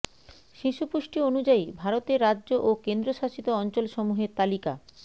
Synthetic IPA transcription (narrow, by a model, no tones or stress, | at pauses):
ʃiʃupuʃʈionud͡ʑaibʱaɾot̪eɾːadʑoʔokend̪ɾoʃaʃit̪oɔnt͡ɕolʃɔmuɦeɾt̪alika